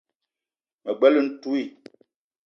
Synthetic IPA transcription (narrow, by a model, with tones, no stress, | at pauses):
mə˨ɡ͡bɛ˦lə˦n̩˦tu˦i˦˨